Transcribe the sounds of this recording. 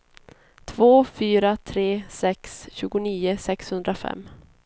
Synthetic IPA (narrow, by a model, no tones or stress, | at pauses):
t̪ʰvoːfyːɾat̪ʰɾeːsɛksɕʉ̟ːɡʊniːʊsɛkshɵnd̪ɾafɛ̰mː